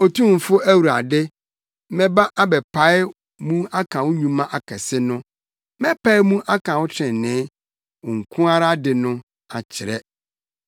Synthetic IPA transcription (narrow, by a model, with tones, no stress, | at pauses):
o˨tʰũ˦m˨fʊ˦æ˦wu˨ɾa˨dɪ˦ | mɛ̃˦ba˦ʔa˦bɛ˨pʰa˦ɪ˦ | mũ˦a˦kʰã˨wʊ˦ɲũ˨mã˦ʔa˨kʰɛ˨sɪ˦nʊ̃˦ | mɛ˦pʰa˦ɪ˦mũ˦ʔa˦kʰã˨wʊ˦t͡ɕʰɛ̃˨nnɪ̃ː˨˦ | ʊ˨ŋ̩˨kʰʊ̃˦a˦ɾa˦dɪ˨nʊ̃˦ | a̰˨t͡ɕʰɪ˨ɾɛ˦